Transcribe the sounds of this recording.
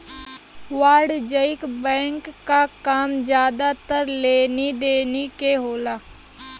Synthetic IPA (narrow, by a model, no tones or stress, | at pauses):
ʋaːɾɖd͡ʒəɪkbɛ̃ːŋkːaːkaːmd͡ʒjaːd̪at̪əɾleːnid̪eːnikeːɦoːlaː